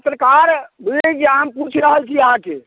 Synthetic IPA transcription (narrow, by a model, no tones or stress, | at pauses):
ət̪ɾəkaɾbid͡ʒeaəmput͡ʃʰɾəɦəlt͡ʃʰiəɦãke